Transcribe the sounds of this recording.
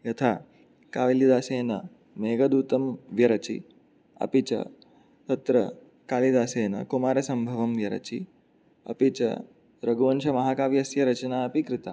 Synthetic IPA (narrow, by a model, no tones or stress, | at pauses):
jɐt̪ʰaː | kaːʋilid̪aːseːnɐ | meːɡɐd̪uːt̪ɐmʋjɐɾɐt͡ʃḭ | ɐ̰pit͡ʃɐ̰ | t̪ɐt̪ɾɐ | kaːlid̪aːseːnɐ̰kumaːɾɐsɐmbʱɐʋɐmʋjɐɾɐ̰t͡ʃḭ | ɐ̰pit͡ʃɐ̰ | ɾɐɡuʋɐnʃɐmɐɦaːkaːʋjɐsjɐɾɐt͡ʃɐnaːɐpikɾɪt̪aː